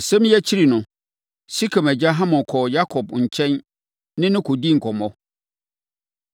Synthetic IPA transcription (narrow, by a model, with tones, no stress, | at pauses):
sɛ̃˦m˦jɛ˦t͡ɕʰi˦ɾi˨nʊ̃˨ | si˦kʰa˨mæ˨d͡ʑa˦ɦã˦mɔ̃˨kʰɔ˨ja˦kʰɔ˨bɲ̩˨t͡ɕʰɛ̃˦n | nɪ̃˦nɪ̃˦kʰo˨di˦˨ŋ̩˨kʰɔ˨mɔ̃˦